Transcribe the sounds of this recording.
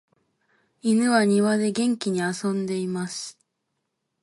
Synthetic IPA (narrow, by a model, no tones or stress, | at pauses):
inɯ̟βaɲ̟iβad̪e̞ɡẽ̞ŋkʲiɲ̟iasõ̞nd̪e̞imasɨ̥